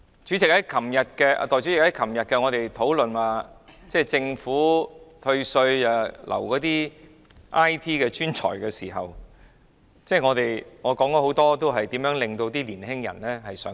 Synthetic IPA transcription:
t͡ʃy˨˥t͡sɪ˨k̚hɐ˨˥jkʰɐ˨˩mjɐ˨t̚kɛː˧ʔa̰˧t̪ɔː˨jt͡ɕy˨˥t͡sɪ˨khɐ˨˥jkʰɐ˨˩mjɐ˨t̚kɛː˧ŋɔː˨˧t̪e˨jt̪ʰo˨˥wlɵ˨naː˧t͡sɛː˥˩t͡sɪ˧ŋfuː˨˥t̪ʰɵ˧ɥsɵ˧ɥaː˧lʔɐ̰˨˩wkɔː˨˥t̪iː˥ | ʔaː˥jt̪ʰiː˥kɛː˧t͡ʃyː˥nt͡sʰɔ̰ː˨˩jkɛː˧siː˨˩ɦɐ˨w | t͡sɛː˥˩ŋɔː˨˧t̪e˨jŋɔː˨˧kɔː˨˥ŋkɔ˧˥ho˨˥wt̪ɔː˥t̪o˥wɦɐ˨jt̪iː˨˥mjœː˨˥ŋle˨˩ŋt̪o˧wt̪̬iː˥liː˨˩nɦɪ˥ŋjɐ̰˨˩nlɛː˥ɦɐ˨jsœː˨˥

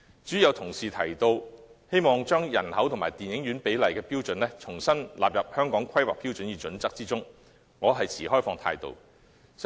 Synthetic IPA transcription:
t͡ʃyː˨˥jɐ˨˧wt̪ʰʊ˨˩ŋsiː˨t̪ʰɐ˨˩jt̪o˧whe˥jmɔː˨ŋt͡ʃœː˥ŋjɐ̰˨˩nhɐ˨˥wt̪ʰʊ˨ŋmaː˨˩jt̪iː˨˩njɪ˨˥ŋɥyː˨˥npe˨˥jlɐ˨jkɛː˧piː˥wt͡sɵ˨˥nlɛː˥t͡sʰʊ˨˩ŋsɐ˥nlaː˨p̚jɐ˨p̚hœː˥ŋkɔː˨˥ŋkʰɐ˥jwaː˨k̚piː˥wt͡sɵ˨˥njiː˨˧t͡sɵ˨˥nt͡sɐ˥k̚t͡siː˥t͡sʊ˥ŋ | ŋɔː˨˧ɦɐ˨jt͡sʰiː˨˩hɔː˥jfɔː˧ŋt̪ʰa̰ː˧jt̪o̰˨˧w

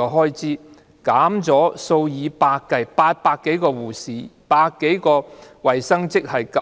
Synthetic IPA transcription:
ɔː˧ɦɔː˥jt͡siː˥ | kaː˨˥mt͡sɔː˨˥so˧wjiː˨˧paː˧kːɐ˨˩jpaː˧t̚paː˧kːe˨˥jkɔː˧wuː˨˩siː˨˥ | paː˧kːe˨˥jkɔː˧wɐ˨˩jsɐ˥ŋt͡sɪ˥k̚hɐ˨jkɐ˨

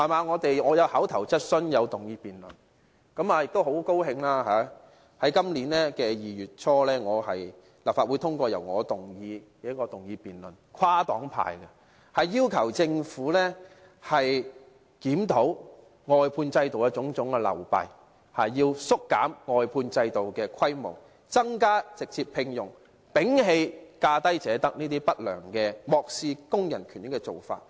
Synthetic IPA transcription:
haː˨˩maː˨˧ŋɔː˨˧t̪e˨jŋɔː˨˧jɐ˨˧whaː˨˥wt̪ʰɐ˨˩wt͡sɐ˥t̚sɵ˥njɐ˨˧wt̪ʊ˨˩ŋjiː˧piː˨nlɵ˨n | kɐ˨˥maː˨˧jɪ˨k̚t̪o˥who˨˥wko˥whɪ˧ŋlaː˥ɦaː˨˦ | hɐ˨˥jkɐ˥mliː˨˥nlɛː˥kɛː˧jiː˨˩jyː˨t̚t͡ʃʰɔː˥lɛː˥ŋɔː˨˧hɐ̰˨j | lɐ˨p̚faː˨wu˨˧t̪ʰʊ˥ŋkʷɔː˧jɐ˨˩wŋɔ̰ː˨˧t̪ʊ˨ŋjiː˧ | ɛː˨˥kɔː˧t̪ʊ˨˩ŋjiː˧piː˨nlɵ˨˩nkʷʰwaː˥t̪ɔː˨˥ŋpʰa̰ː˨˩jkɐ˧ | hɐ˨jːiː˥wkʰɐ˨˩wt͡sɪ˧ŋfuː˨˥lɛː˥ | hɐ˨j | kiː˨˥mt̪o˨˥w | ŋɔː˨˧jpʰuː˧nt͡sɐ˧jt̪o˨wjɐ˥t͡sʊ˨˥ŋt͡sʊ˨˥ŋkɛ˧lɐ̰˨˩wpɐ̰˨j | hɐ˨jːiː˧wsʊ˥kːaː˨˥mŋɔː˨˧jpʰuː˧nt͡sɐ˧jt̪o˨˩wkɛː˧kʰɐ˥jmʊ̰˨˩w | t͡sɐ˥ŋkaː˥t͡sɪ˨k̚t͡siː˧pʰɪ˧ŋjʊ˨˩ŋ | pɪ˨˥ŋɦe˧jkaː˧t̪ɐ˥jt͡sɛː˨˥t̪ɐ˥k̚niː˥t̪̬iː˥pɐ˥t̚lœː˨˩ŋkɛː˧mɔː˨k̚siː˧kʊ˥ŋjɐ̰˨˩nkʰy˨˩njɪ˨˥kːɛ˧t͡so˨wfa̰ː˧t̚

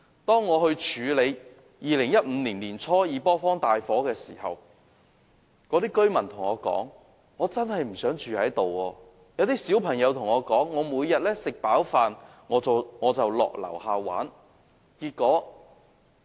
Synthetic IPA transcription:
t̪ɔː˥ŋːɔː˨˧hɵ˧ɥt͡ʃʰyː˨˧le˨˧j | jiː˨lɪ˨˩ŋjɐ˥t̚m̩ː˨˧liː˨˩nliː˨˩nt͡sʰɔː˥jiː˨˧pɔː˥fɔː˥ŋt̪aː˨jfɔː˨˥kɛː˧siː˨˩hɐ̰˨w | kɔ˨˥t̪iː˥kɵ˥ɥmɐ˨˩nt̪ʰʊ˨˩ŋɔː˨˧kɔ̰ː˨˥ŋ | ŋɔː˨˧t͡sɐ˥nhɐ˨jm̩˨˩sœː˨˥ŋt͡ʃyː˨hɐ˨˥jt̪o˨wɔː˧ | jɐ˨˧wt̪̬iː˥siː˨˥wpʰɐ˨˩ŋjɐ˨˧wt̪ʰʊ˨˩ŋɔː˨˧kɔː˨˥ŋːɔː˨˧muː˨˧jjɐ˨t̚lɛː˥sɪ˨k̚paː˨˥wfaː˨n | ŋɔː˨˧˨ŋɔː˨˧t͡sɐ˨wlɔ̰ː˨k̚lɐ̰˨˩whaː˨˧wa̰ː˨˥n | kiː˧t̚kːɔː˨˥

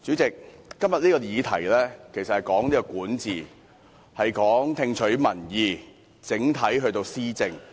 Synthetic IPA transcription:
t͡sy˨˥t͡sɪ˨k̚ːɐ˥mjɐ˨t̚niː˥kɔː˧jiː˨˧t̪ʰɐ˨˩jlɛː˥kʰe˨˩jsɐ˨thɐ˨jkɔː˨˥ŋniː˥kɔː˧kuː˨˥nt͡siː˨˩ | hɐ˨jkɔː˨˥ŋt̪ʰɪ˧ŋt͡ʃʰɵ˨˥ɥmɐ˨˩njiː˨˧ | t͡sɪ˨˥ŋt̪ʰɐ˨˥jɦɵ˧ɥt̪o˧wsiː˥t͡sɪ˧ŋ

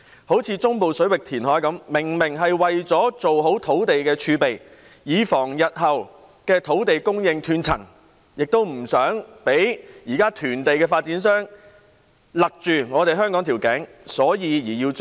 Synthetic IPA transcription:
ho˨˥wt͡sʰiː˨˧˥t͡sʊ˥ŋpo˨wsɵ˨˥ɥwɪ˨k̚t̪ʰiː˨˩nɦɔː˨˥jkɐ˨˥mmɪ˨˩ŋmɪ˨˩ŋɦɐ˨jwɐ˨jt͡sɔː˨˥t͡so˨wɦo˨˥wt̪ʰo˨˥wt̪e˨jkɛː˧t͡ʃʰyː˨˧pe˨j | jiː˨˧fɔː˨˩ŋjɐ˨t̚ɦɐ˨w | kɛː˧t̪ʰo˨˥wt̪e˨jkʊ˥ŋjɪ˧ŋt̪ʰyː˨˧nt͡sʰɐ̰˨˩ŋ | jɪ˨k̚t̪o˥wm̩˨˩sœː˨˥ŋpe˨˥jjiː˨˩kaː˥t̪ʰyː˨˩nt̪e˨jkɛː˧faː˧t̚t͡siː˨˥nsœː˥ŋ | lɐ˨k̚t͡ʃyː˨ŋɔː˨˧t̪e˨jɦœː˥ŋkɔː˨˥ŋt̪ʰiː˨˩wkɛː˨˥ŋsɔː˨˥jiː˨˧jiː˨˩jiː˧w

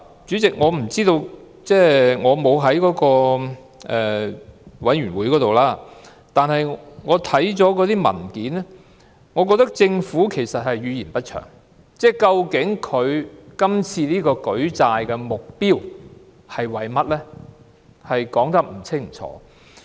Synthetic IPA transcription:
t͡syː˨˥t͡sɪ˨k̚ŋɔː˨˧m̩˨˩t͡siː˥t̪o˧w | t͡sɛː˥˩ŋɔː˨˧mo˨˧wɦɐ˨˥jkɔː˨˧˥kɔː˧ | ʔɛ˨ | wɐ˨˥nɥyː˨˩nwuː˨˥jkɔː˨˥t̪o˨wlaː˥ | t̪aː˨nɦɐ˨jŋɔː˨˧t̪ʰɐ˨˥jt͡sɔː˨˥kɔː˨˥t̪iː˥mɐ̰˨˩nkiː˨˥nɛ˥ | ŋɔː˨˧k̬ɔː˧k̚t̪ɐ˥k̚t͡sɪ˧ŋfuː˨˥kʰe˨˩jsɐ˨t̚hɐ˨jɥyː˨˧jiː˨˩npɐ˥t̚t͡ʃʰœ̰ː˨˩ŋ | t͡sɛː˥˩kɐ˧wkɪ˨˥ŋkʰɵ˨˧ɥkɐ˥mt͡sʰiː˧niː˥kɔː˧kɵ˨˥ɥt͡saː˧jkɛ˧mʊ˨k̚piː˥w | hɐ˨jwɐ˨˩jmɐ˥t̚lɛː˥ | hɐ˨jkɔː˨˥ŋt̪ɐ˥k̚m̩˨˩t͡sʰɪ˥ŋt͡sʰɔ̰ː˨˥

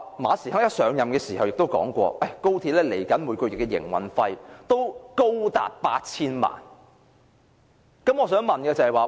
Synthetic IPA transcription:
maː˨˧˥si˨˩ɦɐː˨˥jɐ˥t̚sœː˨˧ŋjɐ˨mkɛː˧siː˨˩hɐ˨wjɪ˨k̚t̪o˥wkɔ̰ː˨˥ŋkʷɔ̰ː˧ʔɐ˥˩jko˥wt̪ʰiː˧t̚lɛː˥le˨˩jkɐ˨˥nmuː˨˧˥kɔ˧jɪ˨˩kːɛː˧jɪ̰˨˩ŋwɐ̰˨˩nfɐ˧jt̪o˥wko˥wt̪a̰ː˨t̚paː˧t̚t͡sʰiː˥nma̰ː˨˩n | kɐ˨˥mŋɔː˨˧sœː˨˥ŋmɐ˨nɡɛː˧t͡sɐ˨˩hɐ˨jwaː˨˩

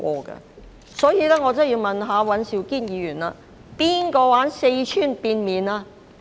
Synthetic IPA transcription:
ɔː˧kɐ̰˧ | sɔː˨˥jiː˧lɛː˥ŋɔː˨˧t͡sɐ˥˩jiː˧wmɐ˨nɦaː˨˧wɐ˨˥nsiː˨˧wkiː˥˩njiː˨˧jyː˨˩nla̰ː˧ | piː˥nkɔː˧waː˨˥nse˧jt͡ʃʰyː˥˩npiː˧nmiː˨˧naː˧

